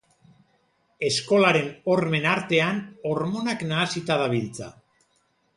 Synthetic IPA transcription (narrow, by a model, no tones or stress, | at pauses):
e̞sko̞laɾe̞no̞ɾme̞naɾt̪e̞ano̞ɾmo̞naknaːsit̪aðaβilt͡sa̰